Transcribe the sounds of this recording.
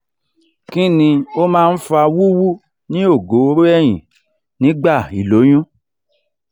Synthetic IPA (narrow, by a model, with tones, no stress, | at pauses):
ki˦nĩ˧o˦mãː˦˧n̩˦fa˧wu˦wu˦ | nĩ˦o˦˨ɡo˨˦o˧˦ɾo˦ɛ˦˨j̃ḭ̃˨ | nĩ˨˦ɡ͡ba˦˨i˨lo˨˦j̃ũ˦